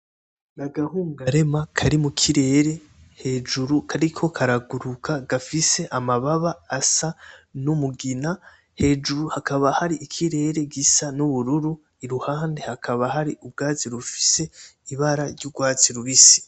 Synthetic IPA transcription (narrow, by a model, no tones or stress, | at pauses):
naɡahuːŋɡaɾe̞makʰaɾimukʰiɾe̞ːɾe̞ | he̞ːd͡ʒuɾukʰaɾikʰo̞kʰaɾaɡuɾukʰaɡ̥afise̞ʔamaβaβaːsanumuɡina | he̞ːd͡ʒuɾuhakaβahaɾiʔikʰiɾe̞ːɾe̞ɡisanuβuɾuɾu | iɾuhaːnde̞hakʰaβaɦaɾiʔub̚ɡaːt͡siɾufi̥se̞iβaɾaɾɟuɡwaːt͡siɾuβisi̥